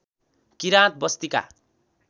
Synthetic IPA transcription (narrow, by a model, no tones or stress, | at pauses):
kiɾãt̪̚bʌst̪ika̰